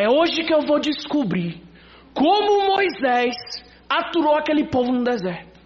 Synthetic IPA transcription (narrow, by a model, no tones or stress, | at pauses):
ɛoʒɪkɪewvod͡ʒiskubɾiɾ | kõmʊmojzɛs | at̪uɾowakelɪpovʊnʊd̪ɛzɛɾt̪ʊ̥